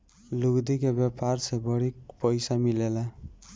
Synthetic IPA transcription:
luɡd̪ikebjeparsʰebʌɽikpʌjsamilela

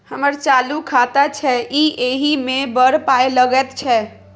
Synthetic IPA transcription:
həməɾt͡ʃaːlukʰat̪at͡ʃʰɛiʔeɦimẽbəɾpaːeləɡɛt̪t͡ʃʰɛ

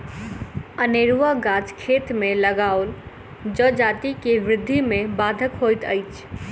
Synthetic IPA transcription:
əneɾuʋaɡat͡ʃkʰet̪mẽləɡaol | d͡ʒəd͡ʒat̪ikeʋɾɪd̪ʱːimẽbad̪ʱəkɦojt̪əɪt͡ʃʰ

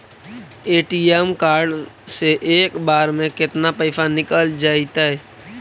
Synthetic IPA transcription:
eːʈiemkaːɾɖ | seʔeːkbaːɾmẽkɪt̪napəɪsanɪkəld͡ʒaːɪt̪aɦɛː

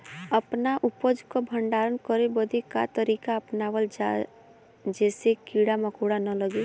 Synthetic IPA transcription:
əpnaʔʊpəd͡ʒkobʱəɳɖaːɾənkəɾebəd̪ʱekat̪əɾiːkaəpnaʋəld͡ʒa | d͡ʒɛːsekiɽaməkoɽanələɡe

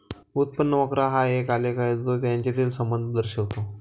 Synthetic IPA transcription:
ut̪̚pənːəʋəkɾaɦaekalekajd͡z̪t̪ot̪̬jaɲt͡ɕjat̪iːlsəmbənd̪ʱd̪əɾɕəʋt̪o

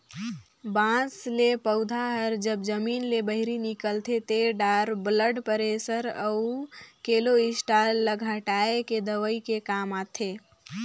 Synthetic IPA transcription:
bãːslepəʊd̪ʱaɦəɾd͡ʒəbd͡ʒəmiːnlebəɦɪɾinɪkəlt̪ʰet̪eɖaːɾbləɖpəɾesəɾəʊkeːloɪsʈaːəɡʱɦəʈaːeked̪əʋəikekaːmaːt̪ʰeː

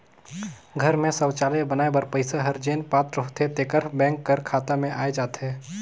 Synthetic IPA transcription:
ɡʱəɾmẽsəwt͡ʃaːlebənaːebəɾpəɪsaɦəɾd͡ʒeːnpaːt̪ɾɦot̪et̪ekəɾbɛ̃ːŋkːəɾkʰaːt̪amẽʔaːed͡ʒaːt̪ɦɛː

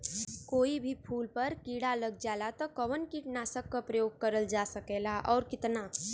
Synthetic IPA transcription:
koːibʱipʰuːlpəɾkiːɽaləɡ̚d͡ʒaːlat̪ɔkəʋənkiʈnaːsəkːapɾəjoːɡ̚kəɾəld͡ʒaːsəkeːlaʔɔːɾkɪt̪na

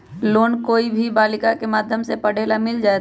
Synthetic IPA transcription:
loːnkoːibʱibaːlɪkakemaːd̪ʱjəmsepəɽ̤eːlamɪld͡ʒaːe

